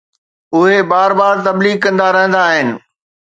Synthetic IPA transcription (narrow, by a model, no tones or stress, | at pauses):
ʊɦebaːɾbaːɾt̪ɐbliːɡ̚kɐ̃nd̪aɾɐɦə̃nd̪aːɦɪnɪ̆